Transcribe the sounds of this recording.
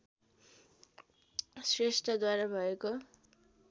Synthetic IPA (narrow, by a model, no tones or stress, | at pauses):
sresʈʰʌd̪waɾabʱʌeko